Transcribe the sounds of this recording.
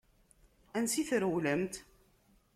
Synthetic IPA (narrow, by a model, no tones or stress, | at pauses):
ænsiθɾəwləmt̪